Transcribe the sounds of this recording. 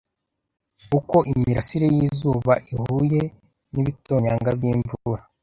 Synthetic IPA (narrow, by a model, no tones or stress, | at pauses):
uko̞ʔimiɾasiɾejiːzuːβa̰ʔihuje̞ | niβito̞ːɲaːŋɡabjiːɱvuɾa